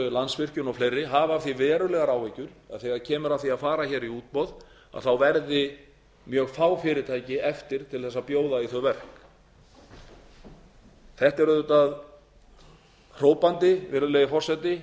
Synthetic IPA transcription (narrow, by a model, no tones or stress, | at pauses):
lansvɪr̥cʏnɔwflejrːɪɦaːvavθivɛːɾʏlɛɣaɾaːwecʏɾ̥a̰ðθɛːɣaɾcʰɛːmʏɾavθiaðfaːɾaçɛːɾiuːt̪̚pɔð | a̰ðθawvɛɾðɪ | mjœːɣfaːwfɪːɾɪt̪ʰaːjcɪɛft̪ɪɾ̥t̪ʰɪlθɛsːaðpjoːwðaiθœvɛr̥k | θɛht̪ɛɾʏðʏt̪að | r̥oːwpant̪ɪvɛːɾʏlɛɣɪfɔrsɛt̪ɪ